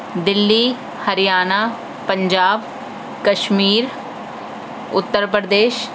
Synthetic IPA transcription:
d̪ɪlːi | hɐɾijaːnaː | pɐ̃ɲd͡ʒaːb | kɐʃmiːɾ | ʊ̰t̪ːəɾpɾəd̪eːʃ

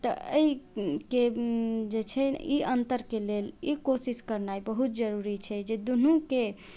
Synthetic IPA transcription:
t̪əəiked͡ʒet͡ʃʰɛiʔənt̪əɾkelelikosiskəɾnajbəɦut̪̚d͡ʒəɾuɾit͡ʃʰɛd͡ʒed̪unuke

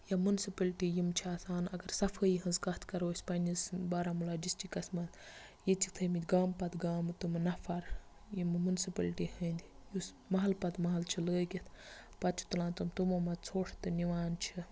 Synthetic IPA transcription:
jɐmunsipɐlʈijimt͡ʃʰiaːsaːnɐɡɐɾsɐfʰəjiɦɐnzkɐt̪ʰkɐɾoːsʲpɐnʲizbaːɾamulaːd͡ʒisʈikɐsʲmɐt̪jit͡sik̚t̪ʰəmit̪ʲɡaːmpɐt̪ɡaːmt̪umnɐfʰɐɾ | jimmunsipɐlʈihɐnd̪ʲijus | mɐɦɐlpɐt̪mɐɦɐlt͡ʃʰiləːkʲit̪ʰ | pɐt̪̚t͡ʃʰu̥t̪ulãːnt̪ɐmt̪umɐmɐt͡sʰoːʂt̪ɨniʋaːnt͡ʃʰi

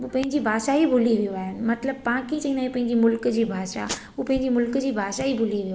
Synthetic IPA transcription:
uːpɐ̃ɦɪ̃ɲd͡ʑibʱaːʃaibʱʊliʋijoaːɦɪnɪ̆mɐt̪ləb̚pãːkĩt͡ɕɐ̃ĩnd̪aːĩpɐ̃ɦɪ̃ɲd͡ʑimʊlkəd͡ʑiːbʱaːʃa̰ | upɐ̃ɦɪɲd͡ʑimʊlkəd͡ʑiːbʱaːʃaɦibʱʊliʋijo

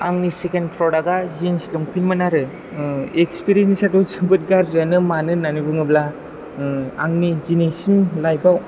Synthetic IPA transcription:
aŋnisekenpʰɾɔɾaɡazinslɔŋpʰinmɯnaɾɯ | ekspiɾiensnisadɔwsɯbɯt̚ɡaɾzanɯmanɯnanibɯŋɯbla | aŋnid͡ʒinesiŋlajbaw

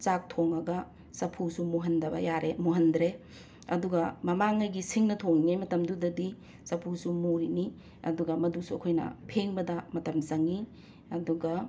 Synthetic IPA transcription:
t͡ʃak̚tʰoŋɐɡɐ | sɐpʰusumuɦɐndɐbɐ̰jaɾemuɦɐndɾe | ɐduɡɐmɐmaŋɐjɡisiŋnɐtʰoŋinimɐtɐmdudɐdi | sɐpʰusumuɾini | ɐ̰duɡɐmɐdusuɐkʰojnɐ̰pʰeŋbɐdɐmɐtɐmzɐŋi | ɐduɡɐ

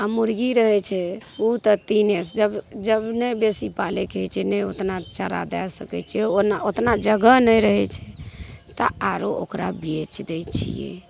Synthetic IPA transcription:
amuɾɡiɾəɦɛt͡ʃʰɛut̪ɔt̪inesd͡ʒəbd͡ʒəbnɛbesipalɛket͡ʃʰɛnɛot̪nat͡ʃəɾa̰d̪ɛ̰lsəkɛt͡ʃʰɛɛonaot̪nad͡ʒəɡənəjɾəɦɛt͡ʃʰɛ̥t̪əaɾoʔo̰kɾa̰bet͡ʃd̪ɛt͡ʃʰḭjɛ̰

